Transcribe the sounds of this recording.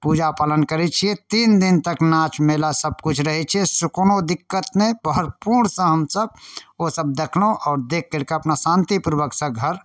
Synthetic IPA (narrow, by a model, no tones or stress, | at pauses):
pud͡ʒapaːlənkəɾɛt͡ʃʰiet̪iːnd̪int̪əknaːt͡ʃʰmelasəb̚kut͡ʃʰɾəɦɛt͡ʃʰiesʊknod̪ɪkːət̪nẽbəɦəɾpuɾɳsə̃ɦəmsəb̚osəb̚d̪ekʰlõʔɔːɾd̪eːk̚ʰːelkeɐpnasãːnt̪ipuɾʋəksə̃ɡʱəɾ